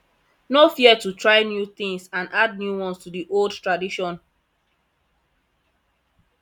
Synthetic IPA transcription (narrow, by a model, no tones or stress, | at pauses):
nofiɛtutɹaɪnjuθĩŋsãnʔad̚njuwɔ̃nstudiʔoldtɹadiʃɔ̃n